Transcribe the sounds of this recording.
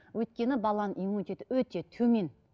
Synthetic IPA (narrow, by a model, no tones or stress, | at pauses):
wɵjt̪̚kʲe̞nɪbɑlˠɑnʔijmunt̪et̪ɪwɵt̪e̞t̪ʰɵme̞n